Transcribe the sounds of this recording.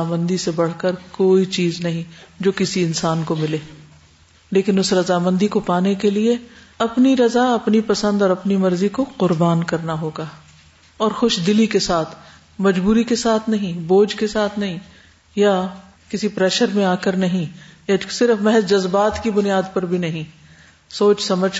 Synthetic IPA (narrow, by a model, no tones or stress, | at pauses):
amə̃nd̪isebɐɽ̤kəɾkoːit͡ʃiːznɐɦĩd͡ʒoːkɪsiɪnsaːnkomɪleː | leːkɪnʊsɾɐzaːmɐ̃nd̪ʱikopaːnekelie | ɐpniɾɐzaɐpnipɐsə̃nd̪ɔːɾɐpnimɐɾzikoqʊɾbaːnkɐɾnaɦoːɡaː | ɔːɾxʊʃd̪ɪlikesaːt̪ʰ | mɐd͡ʒbuːɾikesaːt̪ʰnɐɦĩboːd͡ʒkesaːt̪ʰnɐɦĩ | ja | kɪsipɾɛːʃəɾmẽaːkɐɾnɐɦĩjasɪɾfmɛɦɛzd͡ʒɐzbaːt̪kibʊnijaːd̪pɐɾbʱinɐɦĩ | soːt͡ʃsɐməd͡ʒʱ